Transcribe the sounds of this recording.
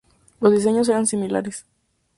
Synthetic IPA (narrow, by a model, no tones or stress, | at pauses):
lozðis̬e̞ɲos̬e̞ɾansimila̰ɾes